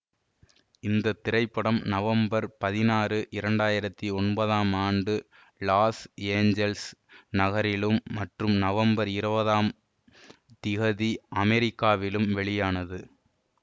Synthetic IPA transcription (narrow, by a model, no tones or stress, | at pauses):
ɪnd̪ɐt̪ːɪɾɐɪpːɐɽɐmnɐʋɐmbɐɾpɐðɪnaːrɯʔɪɾɐɳɖaːjɪɾɐt̪ːiɔnbɐðaːmaːɳɖɯ | laːseːɲd͡ʒɛlsnɐɣɐɾɪlɯmːɐʈrɯmnɐʋɐmbɐɾɪɾɯbɐðaːm | t̪ɪɣɐðiɐmɛɾɪkːaːʋɪlɯmʋɛɭɪjaːnɐðɯ